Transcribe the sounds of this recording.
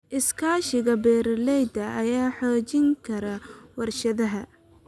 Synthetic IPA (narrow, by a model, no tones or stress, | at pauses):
ʔɪskʰaːʃɪɣɐbɛːɾlɛjd̪ɐʔɐjaːħɔːt͡ʃɪŋkʰɐɾɐwɐrʃɐðɐɦɐ